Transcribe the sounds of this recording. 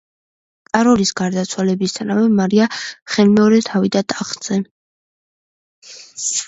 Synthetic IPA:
t̪ʼaɾɔlisɡaɾd̪at̪sʰwalɛbist̪ʰanavɛmaɾiaχɛlmɛɔɾɛt̪ʰavid̪at̪ʼaχt̪z̥ɛ

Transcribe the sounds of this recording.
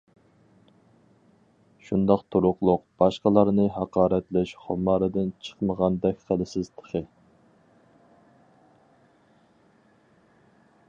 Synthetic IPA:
ʃund̪ɑqt̪ʰuɾʊqlˠʊqb̥ɑʃqəlˠɑɾnɨɦɑqɑːɾɛt̪lɛʃχo̰mɑːɾɨd̪ɪnt͡ʃʰə̥qməʁɑnd̪ɛkʲχælˠɪsɪzt̪ʰə̥χʰə

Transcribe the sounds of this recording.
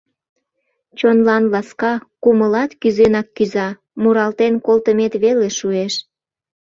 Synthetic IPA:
t͡ɕonlɑnlɑskɑkuməlɑt̪kyzenɑkːyzɑ | muɾɑlt̪enkolt̪əmet̪βeleʃueʃ

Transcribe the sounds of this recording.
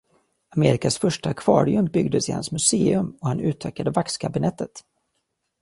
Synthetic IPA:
ameːɾɪkasfœʂʈaakʰvɑ̰ːɾɪɵmbʏɡ̚d̪əsɪha̰nsmɵseːɵmɔhanʉ̟ːt̪ʰœːkad̪əvakskʰabɪnɛt̪ːət̪

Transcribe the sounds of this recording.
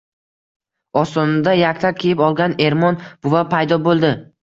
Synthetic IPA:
ɒst̪ɒnd̪ajakʲt̪ʰakʲʰejɪpɒlˠɡʲane̞ɾmɒnb̥ʊvapʰajd̪ɒbolˠd̪ɪ

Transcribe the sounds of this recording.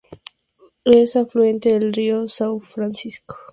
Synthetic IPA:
esafluent̪eðelriosawfɾansisko̥

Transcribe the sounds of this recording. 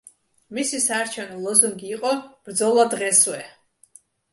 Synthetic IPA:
misisaːɾt͡ʃʰɛvnɔlˠɔzuŋɡiːqʼɔb̥ɾd̪zɔlˠad̪ʁɛswɛ

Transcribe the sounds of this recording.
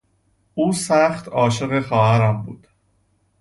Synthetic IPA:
uːsæxt̪ʰɒːʃeɣexɒːhæɾæmbṵːd̪̥

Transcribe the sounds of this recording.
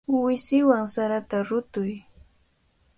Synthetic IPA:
wɪsɪwaŋsaɾat̪aɾʊt̪ʊj

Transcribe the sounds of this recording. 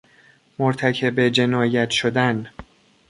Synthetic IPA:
moɾt̪ʰæcʰe̞bed͡ʒe̞nɒːjæt̪ʃod̪æn

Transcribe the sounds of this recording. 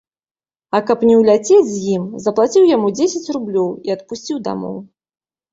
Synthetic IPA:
ɐkɐpnʲɛwlʲat͡sʲed͡zʲzʲjimzɐplˠat͡sʲiwjamud͡zʲesʲɛt͡sʲrublʲɔwiɐt̪̚pusʲt͡sʲiwd̪a̰mɔ̰w

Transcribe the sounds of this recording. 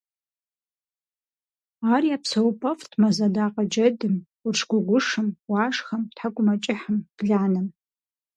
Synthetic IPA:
aːriapʰsowpʰʼɐftʰmazadaqʼad͡ʒɐdɨm | ʊrʈ͡ʂʰɡʷʊɡʷʊʂɨmwaʂχɐmtʰħaɡʷʊmat͡ʃʼɪħəmd̥ɮanɨm

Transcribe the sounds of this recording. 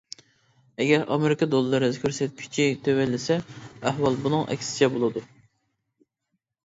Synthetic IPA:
ɛɡʲɛɾʔɑ̰meɾɪkɑd̪olˠɨːɨɾɨkʲʰøɾsɛt̪̚kʲʰy̥t͡ʃʰit̪ʰøwɛlːɪsɛæhɦwɑlˠbunɨŋʔɛ̰kʲsɪ̥t͡ʃʰɛbolˠɨd̪u

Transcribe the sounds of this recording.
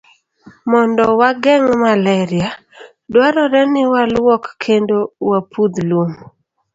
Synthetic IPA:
mɔndɔwaɡɛŋmalɛɾɪa | dwaɾɔɾɛnɪwalwɔkːʰendowapud̪lom

